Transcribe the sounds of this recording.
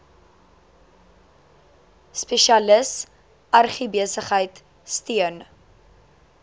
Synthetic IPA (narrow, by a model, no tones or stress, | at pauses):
speʃiɐləs | ɐrχibiəsəχɦəjt | stiən